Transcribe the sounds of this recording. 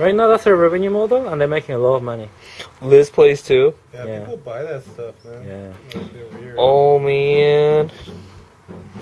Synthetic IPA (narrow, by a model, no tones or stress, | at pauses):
ɹaɪtnaʊðætsðə˞ɹɛvɨ̃njʉmɔdlə̃nðə˞meɪkɪ̃ŋəlɔɾəvmʌnilɪspʰl̥eɪstʰʉ | jæbaɪstʌfjæ | omin